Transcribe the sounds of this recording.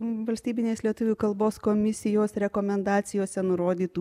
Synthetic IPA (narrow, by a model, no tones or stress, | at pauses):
ʋɐlʲsʲt̪ʲiːbʲɪnʲeːslʲiɛt̪ʊʋʲuːkɐlˠboːskoːmʲɪsʲɪjoːsɾʲɛkoːmʲɛnd̪ɑːt̪sʲɪjoːsʲɛnʊɾoːd̪ʲiːt̪u